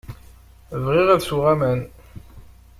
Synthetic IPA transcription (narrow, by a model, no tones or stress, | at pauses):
vʁiʁæðsuʁæmæn